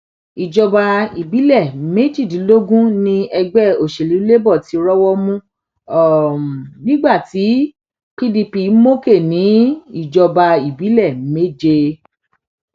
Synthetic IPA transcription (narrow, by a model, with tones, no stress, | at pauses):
i˨d͡ʒɔ˧ba˧i˨bi˨˦lɛ˦˨me˦d͡ʒi˦˨dĩ˨˦lo˦ɡũ˦nĩ˧ɛ˧ɡ͡bɛ˦o˨ʃe˨li˨˦le˦bɔ˦˨ti˨˦ɾɔ˦wɔ˦mũ˦ | ɔ˨nĩ˦ɡ͡ba˦˨ti˨˦ | pi˦di˧pi˧˦mo˦ke˦˨nĩ˨˦i˦˨d͡ʒɔ˧ba˧i˨bi˨˦lɛ˦˨me˦˨d͡ʒe˧